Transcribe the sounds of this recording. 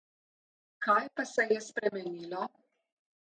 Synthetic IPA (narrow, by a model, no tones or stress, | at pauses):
kajpasɛjɛspɾɛmɛnilɔ